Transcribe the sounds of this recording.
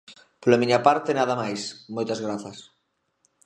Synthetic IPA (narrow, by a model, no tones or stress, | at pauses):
polɐmiɲɐpaɾt̪enaðɐmajsmojt̪ɐzɣɾaθɐs